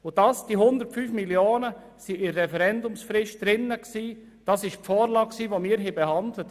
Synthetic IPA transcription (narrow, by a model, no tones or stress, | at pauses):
ʊd̥ɑːsd̥iɦʊnd̪əɾtfyːfmiljoːnə | siɪːɛfɛɾɛndʊmsfɾɪʃt̚d̥ɾɪnːəksiː | d̥ɑsɪʃfɔːɾlɑːkksiːʋomiːɾɦɪbehɑndlət